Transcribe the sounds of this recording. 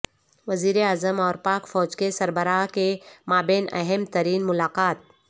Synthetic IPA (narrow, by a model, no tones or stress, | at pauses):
ʋɐziːɾeaːzəmɔːɾpaːkfɔːd͡ʒkesɐɾbəɾaːkemaːbeːnɐ̰ɦɛmt̪ɐɾiːnmʊlaːqaːt̪̚